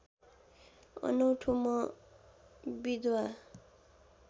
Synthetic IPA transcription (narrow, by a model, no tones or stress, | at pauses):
ʌ̰nʌwʈʰumʌ | bid̪wa